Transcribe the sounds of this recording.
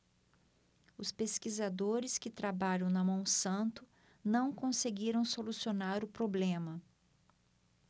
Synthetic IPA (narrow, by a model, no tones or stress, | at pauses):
ʊspeskizad̪oɾɪskɪt̪ɾabaʎɐ̃w̃nɐmɐ̃w̃sɐ̃nt̪ʊ | nɐ̃w̃kõseɡiɾɐ̃w̃solusionaɾʊpɾoblẽmɐ